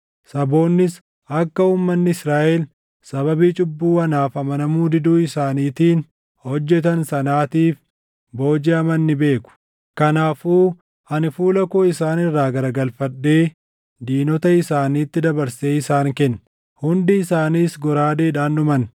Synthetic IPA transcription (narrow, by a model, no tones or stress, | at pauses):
sɐbo̞ːnːɪs | ʔɐkːɐuːmːɐnːɪɪsɾaːʔɛl | sɐβɐbiːt͡ʃʼʊbːuːɐnaːfɐmɐnɐmuːd̪ɪd̪uːɪsaːniːt̪iːn | hɔd͡ʒːɛt̪ɐnsɐnaːt̪iːf | bo̞ːd͡ʒeɐmɐnːɪbe̞ːkʊ̥ | kɐnaːfuː | hɐnɪfuːlɐkoːɪsaːnɪrːaːɡɐɾɐɡɐlfɐᶑːe̞ː | d̪iːnɔt̪ɐɪsaːniːt̪ːɪd̪ɐbɐɾse̞ːɪsaːŋkɛnː | hʊnd̪ɪːsaːniːsɡɔɾaːd̪eːᶑaːnʊmɐn